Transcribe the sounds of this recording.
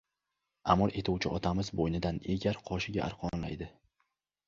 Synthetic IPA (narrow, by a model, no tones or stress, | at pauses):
amɒlˠʔe̞t̪ʰuwt͡ʃʰɪʔɒt̪ʰamɪzbojnɪd̪aneɡʲaɾqʰɒʃɪɡʲaʔa̰ɾqʰɒnla̰jd̪ɪ